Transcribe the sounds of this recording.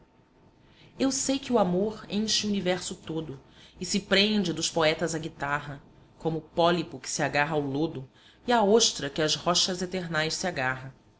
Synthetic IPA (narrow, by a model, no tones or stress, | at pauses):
ewsejkɪuamoɾẽʃɪunivɛɾsʊt̪od̪ʊɪsɪpɾẽnd͡ʒɪd̪ʊʃpoɛt̪ɐzɐɡit̪aɦɐ | kõmʊːpɔlipʊkɪ̥sɪaɡaɦɐaʊlod̪ʊ | iaoʃt̪ɾɐkɪɐzhɔʃɐzet̪eɾnajssiaɡaɦɐ̃